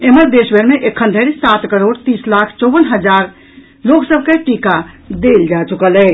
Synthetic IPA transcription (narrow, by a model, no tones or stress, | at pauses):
eməɾd̪eːʃbʱeɾmẽʔekʰːə̃ndʱeɾisaːt̪kəɾoːɽt̪iːslaːkʰt͡ʃɔːbənɦəd͡ʒaːɾ | loːksəb̚ʱkeʈiːkad̪eːld͡ʒaːt͡ʃʊkəlɛː